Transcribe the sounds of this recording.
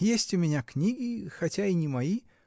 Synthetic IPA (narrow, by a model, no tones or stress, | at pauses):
jesʲtʲʊmʲɪnʲaknʲiɡʲɪxɐtʲainʲɪmɐji